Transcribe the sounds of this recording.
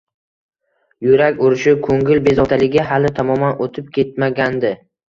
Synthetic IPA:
jʊɾakʲʊɾɪʃɪkʰoŋɡʲɪlbe̞zɒt̪ʰalɪɡʲɪɦalɪt̪ʰamɒmanʔot̪ʰɪp̚kʲʰe̞t̪̚maɡʲand̪ɪ

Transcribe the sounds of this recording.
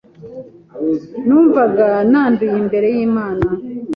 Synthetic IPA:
nuːɱvaɡanaːndujimbe̞ɾe̞jiːmaːna

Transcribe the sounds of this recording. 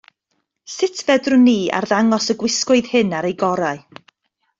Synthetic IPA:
sɪtʰvɛdrʊniːa̰rðaŋɔsəɡwɪskʊɨðhɨnaɾejɡɔɾaɨ

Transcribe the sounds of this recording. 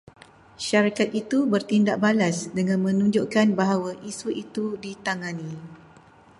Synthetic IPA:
ʃaɾikat̪̚it̪ubərt̪indaʔ̚balasdəŋãnmə̃nũɲd͡ʒoʔkanbaɦawaʔisuʔit̪udit̪aŋãnĩ

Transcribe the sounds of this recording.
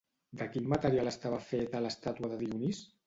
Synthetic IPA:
d̪əkinmat̪əɾialəst̪aβafet̪ələst̪at̪uəðəðiunis

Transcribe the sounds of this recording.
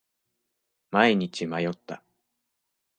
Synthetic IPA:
maiɲ̟it͡ɕimajo̞t̪ːa

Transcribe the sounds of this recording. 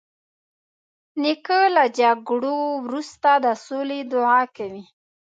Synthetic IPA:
nikəlad͡ʒaɡɽowɾust̪ad̪əsoled̪ʊʕɑkawi

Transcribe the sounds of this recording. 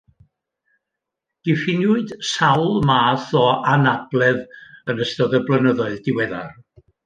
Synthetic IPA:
d̥ɪfɪnjʊɨd̥sawlˠmaːθɔanab̥lˠɛðənəstɔðəblˠənəðɔɨðd̥ɪwɛða̰r

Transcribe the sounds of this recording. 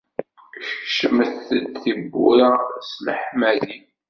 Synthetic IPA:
ʃəməθəd̪θibːṵɾaslħmæði

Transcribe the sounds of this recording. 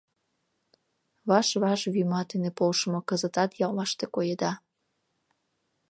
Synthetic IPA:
βɑʃβɑʃβymɑt̪enepolʃəmŏkəzət̪ɑt̪jɑlmɑʃt̪ekojed̪ɑ

